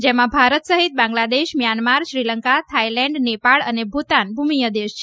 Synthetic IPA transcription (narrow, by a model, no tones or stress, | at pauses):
d͡ʒemãbʱaɾət̪səɦit̪̚bãŋɡlad̪eʃmjanmaɾʃɾiləŋkat̪ʰailɛ̃ɳɖnepaɭənebʱut̪anbʱumijəd̪eʃt͡ʃʰ